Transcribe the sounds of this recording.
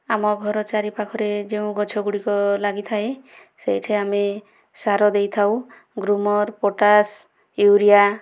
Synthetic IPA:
amɔɡʱɔɾɔt͡ʃaɾipakʰɔɾed͡ʒeũɡɔt͡ʃʰɔɡuɽikɔlaɡit̪ʰae | sejʈʰeame | saɾɔd̪ejt̪ʰaw | ɡɾumɔɾpoʈas | juɾija

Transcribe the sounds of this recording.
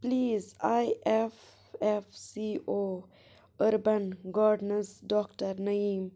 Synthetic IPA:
pliːzaɪʔɛf | ɛfsiːʔoː | ʔœɾbənɡɑːɖnəsdɔktəɾnaiːm

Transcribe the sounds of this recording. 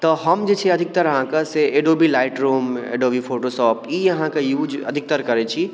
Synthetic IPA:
t̪ɔɦəmd͡ʒet͡ʃʰeɐd̪ʱɪk̚t̪əɾɦãkaseeɖoːbʱilaːɪʈɾuːmḛɖobʱifʰoːʈoʃɔːpjijɐɦãkajuːd͡ʒə̰d̪ʱɪk̚t̪əɾkɐɾet͡ʃʰi

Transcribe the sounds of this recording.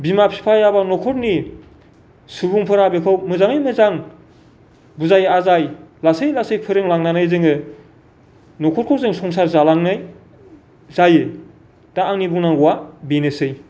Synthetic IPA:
bimapʰi̥pʰajabanɔkʰɔɾni | sɯbuŋpʰɯɾabekʰɯwmɯzaŋɯjmɯzaŋ | buzajazajlasejlasejpʰɯɾeŋlaŋnanajzɯŋɯ | nɔkʰɔɾ̚kʰɯwzɯŋsɔŋsaɾzalaŋnaj | zaje | d̥aːŋnibuŋnaŋɡuwabenesɯj

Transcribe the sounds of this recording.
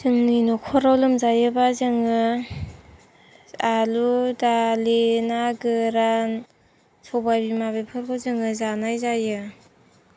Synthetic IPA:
zɯŋnɯjnokʰɔɾawlɯmzajɯbazɯŋɯ | aludalenaɡɯɾan | sʰɔbabimaβepʰɯɾkʰɔzɯŋɯzanajzajɯ

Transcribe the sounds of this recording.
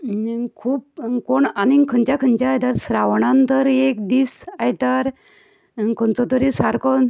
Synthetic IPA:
kʰuːp̚koɳanikʰənt͡ɕakʰənt͡ɕaːjt̪aɾsɾaʋɳãnt̪əɾekd̪iːsajt̪aɾ | kʰɔnt͡sɔt̪əɾisaɾkɔn

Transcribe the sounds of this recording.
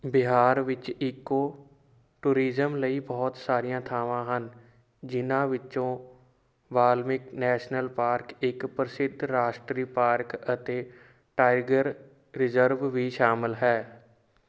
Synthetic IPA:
bɪɦaːɾʋɪt͡ʃikːoː | ʈuːɾiːzəmləiːbɔːt̪saːɾijãːt̪ʰaːʋãːɦən | d͡ʒɪnãːʋɪt͡ʃõː | ʋaːlmɪknɛːʃnəlpaːɾkɪkpɾəsɪd̪ʱɾaːʃʈɾiːpaːɾkət̪eː | ʈaːɪɡəɾ | ɾɪzəɾʋʋiːʃaːmɪlɦɛː

